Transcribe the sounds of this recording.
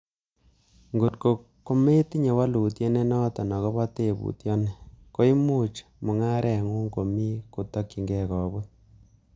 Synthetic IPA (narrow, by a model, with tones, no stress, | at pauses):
ŋɡo˨tko˨ | kːo˦me˦ti˦ɲe˨wa˦luː˨tje˦ne˦nɔ˦tɔ˨nɔ˨kɔ˦ba˦te˦˨bṵ˨tjɔ˦ne˦ko˦i˦mu˦t͡ʃ | mu˨ŋa˦ɾʔɛ˨ŋu˦ŋɡo˨mi˦ku˨tɔ˦kːi˨ŋɡɛ˦˨kɔ˨bo˦t̚